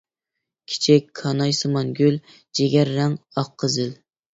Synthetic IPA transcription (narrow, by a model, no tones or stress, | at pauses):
kʲʰi̥t͡ʃʰɪkʲkʰɑnɑjsɨmɑnɡʲøl | d͡ʒeɡʲæɾːæŋɑqʰːəzɪl